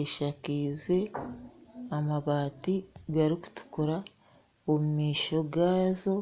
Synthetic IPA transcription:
eʃakiːze̞ | amaβaːtiɡaɾiku̥tu̥kuɾa | omumiːʃo̞ɡaːzo̞

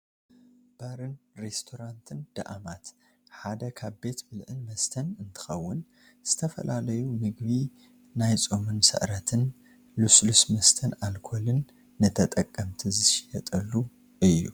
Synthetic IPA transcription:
b̥aɾɨnɾest̪ʰo̞ɾant̪ʰɨnd̪̥ɐ̰ʔamat̪ | ħad̪ɐkʰaβbe̞t̪bɨlʕɨnmɐst̪ʰɐnɨnt̪ʰɨ̥xɐwːʊn | z̥ɨt̪ʰɐfɐ̰lʔalɐjumɨɡβi | najt͡sʼomɨnsɐ̰ʔɾɐt̪ʰɨn | luslusmɐst̪ʰɐnalkʰo̞lɨnː | ɨt̪ʰɐt̪ʼɐkʼːɐmt̪ʰizɨʃjɐt̪ʼɐlːu | ɨjːṵ

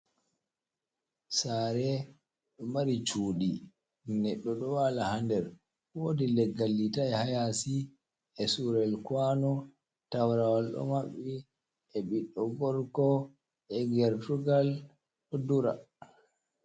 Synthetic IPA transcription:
saːɾɛ | ɗɔmaɾit͡ʃuːɗi | nɛɗːɔɗɔwalahandɛɾ | wodilɛɡːalːitaɛhajasi | ɛsuɾɛlkwanɔ | tawɾawalɗɔ̰maɓːi | ɛɓiɗːɔɡɔɾkɔ | ɛɡɛɾtuɡal | ɗɔduɾa̰

